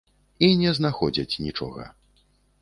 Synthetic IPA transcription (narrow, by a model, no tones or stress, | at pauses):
inʲɛznaxɔd͡zʲɐt͡sʲnʲit͡ʂɔ̰ɣɐ̰